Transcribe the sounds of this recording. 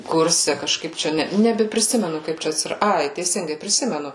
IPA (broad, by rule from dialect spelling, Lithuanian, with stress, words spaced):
ˈkʊrʲsʲɛ kɐʃˈkɐɪp ˈt͡ʃʲɛ ˈnʲɛ nʲɛbʲɛpʲrʲɪˈsʲɪmʲɛnʊ ˈkɐɪp t͡ʃʲɛ ɐtʲsʲɪˈrɐ ˈɐɪ tʲɛɪˈsʲɪŋɡɐɪ pʲrʲɪˈsʲɪmʲɛnʊ